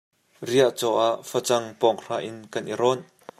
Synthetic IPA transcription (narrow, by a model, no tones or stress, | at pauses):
riəʔt͡sɔʔaʔfɐt͡sɐŋpɔŋr̥aːʔɪnkɐnʔiɾɔn